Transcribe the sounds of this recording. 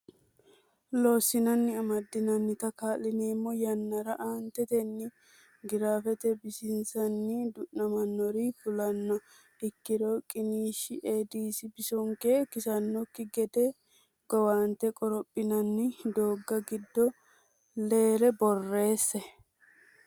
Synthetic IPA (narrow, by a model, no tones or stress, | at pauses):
loːsːɪnɐnːɪɐmɐd̪ːɪnɐnːɪt̪ɐkaːlːɪneːmːɔjɐnːɐɾɐʔaːnt̪ɛt̪ɛnːɪ | ɡɪɾaːfɛt̪ɛbɪsɪnsɐnːɪd̪ʊʔnɐmɐnːɔɾifʊlɐnːɐ | ɪkːɪɾɔkʼɪniːʃɪʔeːd̪iːsɪbɪsɔŋkekɪsɐnːɔkːɪɡɛd̪ɛ | ɡ̥ɔwaːnt̪ɛkʼɔɾɔpʼːɪnɐnːɪd̪o̞ːɡːɐɡɪd̪ːɔ | le̞ːɾɛbɔrːe̞ːsːɛ